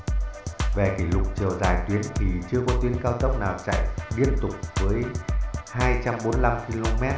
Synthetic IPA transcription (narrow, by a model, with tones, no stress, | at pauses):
ve˨˩ki˧˩lʊ˨˩k͡p̚t͡ɕɨ˨˩əzaː˨˩jt̪wi˨˦ənt̪ʰi˨˩t͡ɕɨ˧əkɔ˨˦t̪i˨˦ənkaː˧wt̪ə˦˥wk͡p̚naː˨˩wt͡ɕa̰˧˨jɗi˧ənt̪ʊ˨˩k͡p̚vəː˨˦jhaː˧jt͡ɕa˧mɓo˨˦nla˧mki˧lo˧mɛ˦˥t̚